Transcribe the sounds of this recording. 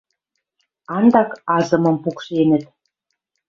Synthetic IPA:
ɑnd̪ɑkɑzɤ̆mɤ̆mpukʃenə̆t̪̚

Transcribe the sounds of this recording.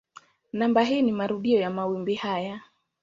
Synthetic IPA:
nambaɦiːnimaɾuɗiɔjamawimbihaja

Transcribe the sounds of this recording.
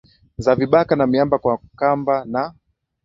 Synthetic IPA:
zaviɓakanamiambakwakambana

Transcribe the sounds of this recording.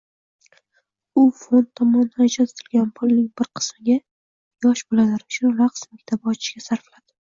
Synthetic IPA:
ʊfont̪ʰːɒmɒnd̪at͡ʃʰat̪ʰɪ̥t̪ʰɪlɡʲanpʰʊlˠnɪŋbɪɾqʰɨ̥smɪɡʲa | jɒʃbolalaɾɪʊt͡ʃʰʊnɾaqsmɪkʲt̪ʰabɒt͡ʃʰɪ̥ʃɡʲasaɾflad̪̥ɪ

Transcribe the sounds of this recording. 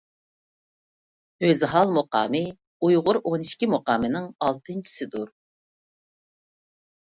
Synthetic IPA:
øzɦɑlˠmoqɑ̰ːmɨ | ujʁʊɾoniʃkʲimoqɑːmɨnɪŋɑlˠt̪ʰɨnt͡ʃʰi̥sɪd̪uɾ

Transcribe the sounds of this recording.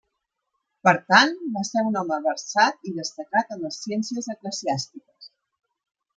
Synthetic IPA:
pəɾt̪anbasɛɾunɔməβəɾsat̪̚iðəst̪əkat̪ənəsːijɛnsiəzəkləziast̪ikəs

